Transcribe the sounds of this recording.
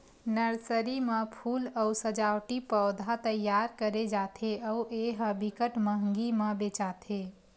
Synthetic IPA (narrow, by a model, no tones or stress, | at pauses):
nəɾsəɾimepʰuːləusəd͡ʒawʈipəːd̪ʱat̪əjːaɾkəɾed͡ʒat̪ʰeəuʔeɦəbikəʈməɦŋɡiməbet͡ʃat̪ʰe